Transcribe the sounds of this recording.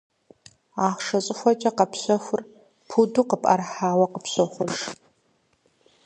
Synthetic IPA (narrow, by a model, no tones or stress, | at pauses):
aːχʂɐɕʼɪxʷɔt͡ʃʼɐqɐpɕʷɔxʷʊr | pʰuduqəpʼɐ̰rħaːwɐqəpɕɔχʷʊrʂ